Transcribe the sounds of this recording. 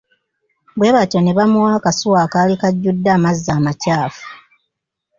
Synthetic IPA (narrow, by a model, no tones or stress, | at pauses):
bwe̞ːβatone̞βamuwaːkasuwaːkaːlikaɟːudːaːmazːaːmacaːfu̥